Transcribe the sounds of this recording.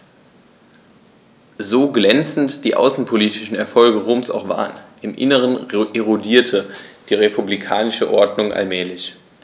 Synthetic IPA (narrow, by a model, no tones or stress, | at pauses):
zoːɡlɛnt͡sn̩td̥iːʔa̰ʊsn̩pʰoliːtɪʃn̩ɛɐfɔlɡəʁoːmsa̰ʊxv̥a̰ːʁənʔɪmʔɪ̰nəʁ̞ənʔeʁodiːɐtʰəd̥iːʁepʰublikʰaːnɪʃəʔɔɐdnʊŋʔa̰lmɛːlɪç